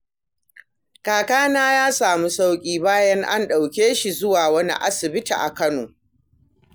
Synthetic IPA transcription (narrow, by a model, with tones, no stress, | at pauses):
kaː˨kaː˦naː˦jaː˦saː˨mu˦sa˦wkʲʼiː˦baː˦jɐ˦ŋʔa˦nɗa˨wkʲeː˦ʃi˨zʊ˦waː˨wɐ˦nḭ˦ʔa̰˦sɪ˨bɪ˦tḭ˨ʔa˨kɐ˦noː˨